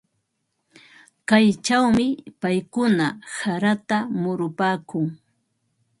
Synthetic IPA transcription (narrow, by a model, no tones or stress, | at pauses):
kajt͡ʃawmɪpajkʊnasaɾat̪amʊɾʊpaːkʊŋ